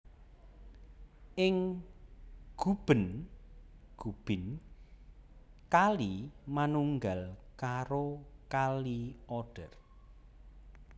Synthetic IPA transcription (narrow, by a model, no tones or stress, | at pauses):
ʔɪŋ | ɡ̥ṳb̥ə̤n | ɡ̥ub̥ɪ̤n | kalimanuŋɡalkaɾokaliɔɖ̥ər